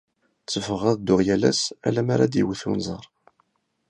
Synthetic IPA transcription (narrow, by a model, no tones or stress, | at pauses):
t͡sːəfəʁæðd̪ʊʁjælæ̰sæ̰læmaɾad̪jəwəθṵnzˤɑ̰ɾˤ